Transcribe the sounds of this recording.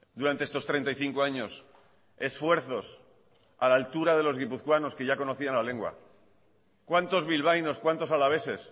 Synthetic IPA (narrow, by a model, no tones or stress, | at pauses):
d̪uɾant̪eest̪ost̪ɾent̪aijθiŋko̞aɲo̞s | e̞sfwe̞ɾθo̞s | alaːlt̪uɾaðe̞lo̞zɣipuθkwano̞ske̞ʝako̞noθianlaleŋɡwa̰ | kwant̪o̞zβilβ̞ajno̞skwant̪o̞salaβ̞e̞se̞s